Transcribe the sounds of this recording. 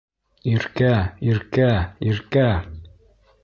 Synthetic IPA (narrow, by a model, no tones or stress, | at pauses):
iɾkæiɾkæiɾkæ